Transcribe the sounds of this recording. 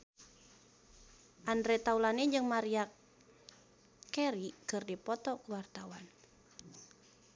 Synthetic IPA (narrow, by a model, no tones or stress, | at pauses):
ʔandɾɛt̪aulaniɲd͡ʒɨŋmaɾia | kɛɾikɨrdipɔt̪ɔkəwart̪awan